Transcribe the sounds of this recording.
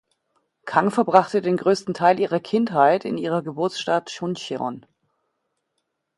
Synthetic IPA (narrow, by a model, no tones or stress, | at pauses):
kʰaŋfɛɐbʁaχtədeːnɡʁøːstn̩tʰaɪlʔiːʁɐkʰɪnthaɪtʰɪ̰niːʁɐɡəbʊɐt͡sʃtatʃʊnçeʁɔ̰n